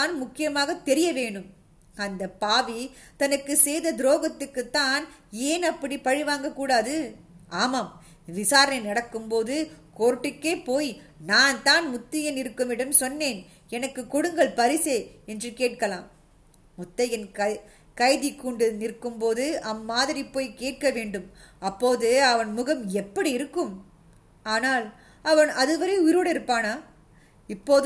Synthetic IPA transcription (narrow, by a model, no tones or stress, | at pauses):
aːnmʊkːɪjɐmaːɣɐt̪ːɛɾɪjɐʋeːɳɯm | ɐnd̪ɐpaːʋit̪ɐnɐkːɯsɛjðɐd̪ɪɾoːɣɐt̪ːɯkːɯt̪ːaːneːnɐpːɐɽipɐɻɪʋaːŋɡɐkːuːɽaːðɯ | ʔaːmɐm | ʋɪsaːɾɐnɐɪnɐɽɐkːɯmpoːðɯkoːɾʈːɯkːeːpoːj | naːnt̪aːnmʊt̪ːɐjɐnɪɾɯkːɯmɪɽɐmsɔnːeːn | ɛnɐkːɯkɔɽɯŋɡɐɭpɐɾɪseːɛndrɯkeːʈ̚kɐlaːmː | ʊt̪ːɐjɐnɐ | kɐɪðɪkːuːɳɖɯnɪrkːɯmpoːðɯʔɐmːaːðɪɾipːoːjkeːʈ̚kɐʋeːɳɖɯmɐpːoːðɯɐʋɐnmʊɣɐmɛpːɐɽiɪɾɯkːɯm | aːnaːl | ɐʋɐnɐðɯʋɐɾɐɪʊjɪɾuːɽɐɪɾɯpːaːnaː | ɪpːoːð